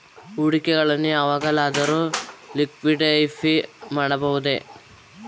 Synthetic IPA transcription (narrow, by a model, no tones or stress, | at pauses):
uɽikɛɡɐɭɐnːuɐʋaːɡɐlaːd̪ɐɾulikʋiɖɐjfʰimaːɽɐbɐʋud̪e̞